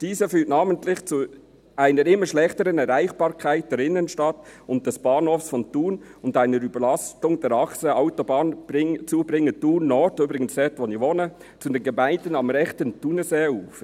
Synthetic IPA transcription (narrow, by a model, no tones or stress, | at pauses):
d̥iːzəfyːtnaːməntlɪχt͡su | ʔaɪnəɾɪmːəʃlɛχtəɾənɛɾaɪχb̥ɑːɾkʰaɪt̚d̥ɛːɾɪnənʃtɑtʊnt̚d̥ɛsb̥ɑːnhoːfsfɔntuːnʊndaɪnəɾybəlɑstʊŋd̥ɛɾɑksəaʊtɔbɑːnb̥ɪt͡suːbɾɪŋːətuːnːɔtyːbɾɪɡənsɛtʋonivonə | t͡sudɛnɡɛmaɪndənɑmɾɛχtəntunəseːuːf